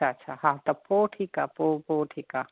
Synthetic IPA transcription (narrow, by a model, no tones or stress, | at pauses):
aɐtːʃʰahat̪ɐpoːʈʰikapoːpoːʈʰika